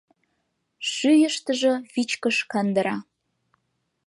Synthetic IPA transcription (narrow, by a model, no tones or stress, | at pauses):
ʃyjəʃt̪əʒɤ̆βit͡ɕkəʃkɑnd̪əɾɑ